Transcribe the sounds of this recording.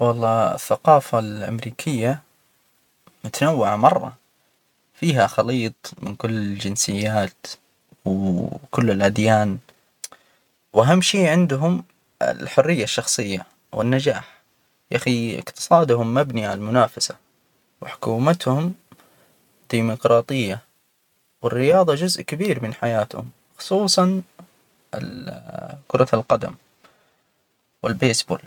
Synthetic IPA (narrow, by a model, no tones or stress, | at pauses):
wɑlˤːɑːɪ̰θːaqɑːfalʔa̰mɾiːkʰɪjːa | mʊt̪anawːaʕamɑrˤːɑ̰ | fiːɦaxɑliːt̪ˤmɪnkʊlːɪld͡ʒɪnsɪjːaːt̪ | wkʊlːɪlʔad̪jaːn | wʔaɦamːʃiːʕɪnd̪ɦʊm | ɪ̰lħʊrːɪjːaʃːɑxsˤɨjːa | wɪ̰nːad͡ʒaːħ | ʔaxiɪ̰qt̪ɨ̥sˤɑːd̪hʊmːabniʕalmʊnaːfasa | wɪħʊ̥kuːmat̪hʊm | d̪̥iːmʊqɾˤɑːt̪ˤɨjːa | wɪrːɪjɑːðˤɑd͡ʒʊzʔkabiːɾmɪnħajaːt̪hʊ̰m | xʊ̥sˤuːsˤɑn | ɪ̰ | kʊɾˤɑlqɑd̪a̰m | wɪlbeːsbo̰ːl